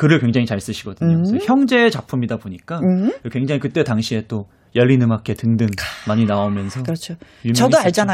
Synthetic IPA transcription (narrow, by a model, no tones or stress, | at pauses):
kɯɾɯɭkwe̞ŋd͡ʑaŋit͡ɕaɭs͈ɯɕʰiɡ̥ʌdɯnɲosʌçjʌŋd͡ʑe̞ːt͡ɕapʰumidaboɲik͈aɯkwe̞ŋd͡ʑaŋikɯt͈e̞taŋɕʰie̞t͈o | jʌʎːinɯmakʰe̞tɯŋdɯnmaɲinaomjʌnsʰʌkɯɾʌt͡ɕʰo | jumjʌdoaɭd͡ʑana